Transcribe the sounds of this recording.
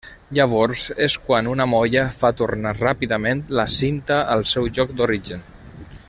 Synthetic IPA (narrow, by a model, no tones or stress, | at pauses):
ʎəβ̞ɔɾzeskwanunəmɔjəfat̪urnarapiðəment̪ləsint̪əəlˠsɛwʒɔk̚d̪oɾiʒən